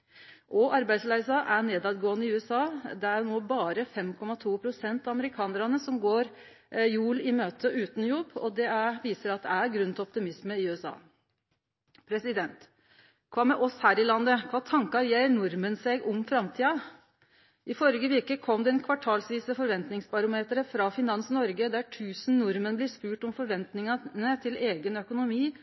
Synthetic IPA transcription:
ʔɔʔɑɾbæɪd̪slæɪsɑʔæɳeːd̪ɑd̪ɡoːənəɪʉːɛsɑːd̪ɛænoːbɑːɾəfɛmkʰɔmɑt̪ʰuːpʰɾʊsɛnt̪ɑɑməɾɪkʰɑːnəɾɑnəsɔmɡoːɾ | juːlɪmøːt̪ʰəʔʉːt̪njɔbːɔ̰d̪ɛæʋiːsəɾɑt̪̚d̪ɛæɾɡɾʉnt̪ɛɔpt̪ɪmɪsməɪʉːɛsɑ̰ː | pʰɾɛsɪd̪ɛnt̪ | kʰʋɑːmɛʔɔshæːɾɪlɑnd̪əkʰʋɑːt̪ʰɑŋkɑɾjeːɾɳʊɾmənseːɡʊmfɾɑmt̪ʰiːɑ | ʔɪfɔɾəɡəʋɪɾkəkʰɔmd̪ɛɛnkʰʋɑʈʰɑːlsʋiːsəfɔɾʋɛnt̪nɪŋsbɑɾʊmeːt̪ɾəfɾɑfɪnɑnsnɔɾɡəd̪æʈʰʉːsn̩nʊɾmənblɪspʉːʈɔmfɔɾʋɛnt̪nɪŋɑnət̪ʰɪleːɡənœkʊnʊmiː

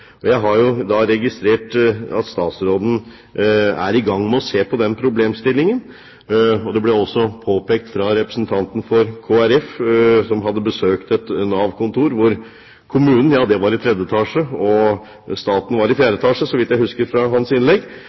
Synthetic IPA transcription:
ɔjæɪɦɑɾjʊd̪ɑɾɛɡɪst̪ɾeːʈɑ̰t̪st̪ɑːt̪sɾoːd̪n̩ | æ̰ɾɪɡɑŋːmɛɔseːpɔd̪ɛnpʰɾʊbleːmst̪ɪlːɪŋən | ɔd̪ɛblɛɔsːɔpʰoːpeːk̚t̪fɾɑɾɛpɾəsnt̪ʰɑnt̪n̩fɔɾkʰoːæɾɛfsɔmɦɑd̪ːəbəsøːkt̪ɛt̪nɑːʋkʰʊnt̪ʰuːɾʋʊɾ | kʰʊmʉːnən̩jɑːd̪ɛʋɑɾɪt̪ʰɾɛd̪jət̪ʰɑːʂəɔ | st̪ɑːt̪n̩ʋɑɾɪfjæːɾət̪ʰɑːʂəsɔʋɪt̪jæɪhʉskəɾfɾɑɦɑnsɪnlɛɡː

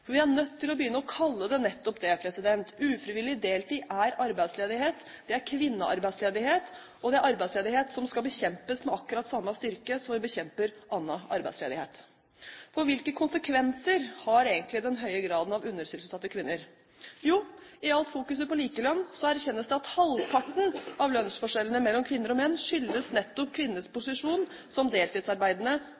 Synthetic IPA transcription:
fɔɾʋɪæɳœt̪ʰːɪlɔbəjʏnːəɔkʰɑlːəd̪ɛnɛt̪ːɔpd̪ɛpʰɾɛsɪd̪ɛnt̪ʉːfɾɪʋɪlɪd̪eːlt̪ʰiːʔæɾɑɾbæɪd̪sleːd̪ɪheːt̪d̪̥ɛæɾkʰʋɪnːəʔɑ̰ɾbæɪsleːd̪ɪheːt̪ | ɔd̪ɛæɾʔɑɾbæɪd̪sleːd̪ɪheːt̪sɔmskɑlbəçɛmpəsmɛɑkːʉɾɑt̪ːsɑmːəst̪ʏɾkəsɔmʋɪbəçɛmpəɾʔɑnːɑʔɑ̰ɾbæɪdslḛːd̪ɪhḛːt̪ | fɔɾʋɪlkəkʰʊnsəkʰʋɛnsəɾhɑɾeːɡənt̪lɪd̪ɛnɦœʏəɡɾɑːd̪ənɑʋʉnːəɾsʏlsəsɑt̪ːəkʰʋɪnːəɾ | juːɪɑlt̪fuːkʉs̬əpɔliːkəlɑnːsɔæɾçɛnːəsd̪ɛɑt̪hɑlpʰɑʈːɳ̩ɑʋlœnsfɔʂɛlːənəmɛlːɔmkʰʋɪnːəɾɔmɛnːʂʏlːəsnɛt̪ːɔpkʰʋɪnːəspʊsɪʂuːn | sɔmd̪eːlt̪ʰiːd̪sɑɾbæɪd̪ənə

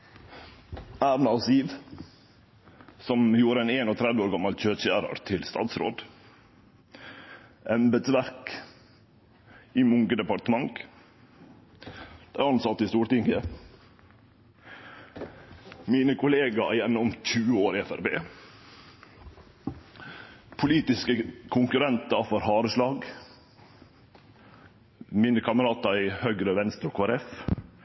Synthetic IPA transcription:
æːɾnʊsiːʋ | sɔmjuːɾəeːneːnoːt̪ʰɾɛd̪ʋəoːɾɡɑmɑlçøːt̪çæːɾə̰ɾt̪ʰɪlst̪ɑ̰ːt̪sɾo̰ːd̪ | ʔɛmbɛd̪sʋæɾk | iːmʊŋɡəd̪ɛpɑʈəmɑŋɡ | d̪̥æɪɑnsɑt̪ːist̪uːɾʈ̪ɪŋɡə | miːnəkʰʊleːɡɑ̰jɛnːɔʊmt̪ʰʉːoːɾɪɛfæ̰ɾbḛː | pʰʊliːt̪ɪskəkʰʊŋkʉɾɛnt̪ɑfɔɾhɑːɾəʂlɑːɡ | mɪnəkʰɑməɾɑːt̪ɑɪhœɡɾəʋɛnst̪ɾʊkʰʋɑɾɛf

